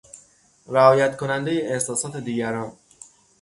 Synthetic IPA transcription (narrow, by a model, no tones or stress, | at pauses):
ɾæɒːjæt̪kʰo̞nænd̪ejeehsɒːsɒːt̪ʰed̪iːɟæɾɒn